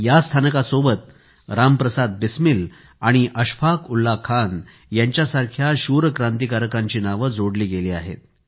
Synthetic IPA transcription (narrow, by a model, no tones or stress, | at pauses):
jast̪ʰanəkasobət̪̚ | ɾampɾəsad̪̚bismil | aɽ̃iʔəɕpʰakulːakʰan | jaɲt͡ɕjasaɾkʰjaɕuɾəkɾãnt̪ikaɾəkaɲt͡ɕiːnaʋəd͡zoɽliːɡeliːaɦḛt̪